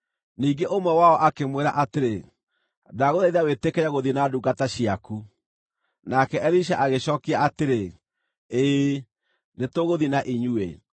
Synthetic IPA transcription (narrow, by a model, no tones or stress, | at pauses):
niːɡeʔomwɛwaɔʔakemweɾa̰ʔateɾe | daɣoðaiðawetekɛaɣoðinaduːɡataɕiaku | nakɛʔɛɾiʃaʔaɣeɕɔkiaateɾe | eː | netoɣoðinaʔiɲuḛ